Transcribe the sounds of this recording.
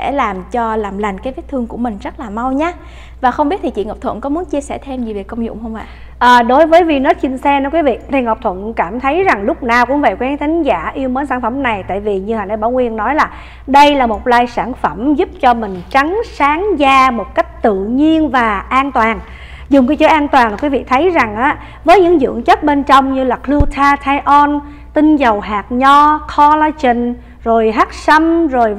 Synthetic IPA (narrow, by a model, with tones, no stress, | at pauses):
sɛ̰˧˩laː˨˩mt͡ɕɔ˧laː˨˩mla˨˩jŋ̟kaː˨˦vi˦˥t̚t̪ʰɨ˧əŋku˧˩əmï˨˩ŋ̟zə˦˥t̚laː˨˩ma˧wɲaː˨˦ | vaː˨˩xə˧wŋ͡mɓi˦˥t̚t̪ʰi˨t͡ɕḭ˧˨ŋɔ˨˩p̚t̪ʰə̰˧˨nkɔ˨˦mu˨˦ənt͡ɕi˧əsɛ˧˩t̪ʰe˧mzi˨˩ve˨˩kːə˧wŋ͡mzʊ̰˧˨wŋ͡mhə˧wŋ͡mvə̰˧˨j | ʔəː˨˩ɗo˨˦jvəː˨˦jvi˧˩nɔ˨˦˥si˧ŋsɛ˧nəː˧˦kwi˨˦vḭ˧˨ɗe˧˩ŋə˨˩p̚t̪ʰwə̰˧˨nkaː˧˩mt̪ʰə˨˦jza˨˩ŋlʊ˦˥k͡p̚naː˨˩wkʊ̰˧˥ŋ͡mvə̰˧˨jkwɛː˨˦ŋt̪ʰï˨˦ŋ̟zaː˧˩ʔi˧əwməː˨˦nsaː˧˩nfə˧˩mna˨˩jt̪a̰ː˧˨jvi˨˩ɲɨ˧haː˨˩n˧jɓaː˧˩wŋwi˧ənːɔ˨˦jlaː˨˩ | ɗə˧jlaː˨˩mo˨˩t̚laː˧jsaː˧˩nfə˧˩mzʊ˦˥p̚t͡ɕɔ˧mï˨˩ŋ̟t͡ɕa˨˦ŋsaː˨˦ŋzaː˧mo˨˩t̚ka˦˥jk̟̚t̪ɨ̰˧˨ɲi˧ənvaː˨˩ʔaː˧nt̪waː˨˩n | zʊ˨˩ŋ͡mkaː˧jt͡ɕə˨˦ʔaː˧nt̪waː˨˩nla˨˩kwi˨˦vḭ˧˨t̪ʰə˨˦jza˨˩ŋʔaː˨˦ | vəː˨˦jɲɨ̰˧˥ŋzɨ̰˧˨əŋt͡ɕə˦˥t̚ɓe˧nt͡ɕɔ˧wŋ͡mɲɨ˧laː˨˩klu˧t̪ʰaː˧t̪ʰaː˧jʔɔ˧n | t̪ï˧ŋzə˨˩wɦaː˨˩t̚ɲɔ˧kʰɔ˧la˧t͡ɕï˨˩ŋ̟ | zo˨˩jɦaː˦˥t̚sə˧mzo˨˩j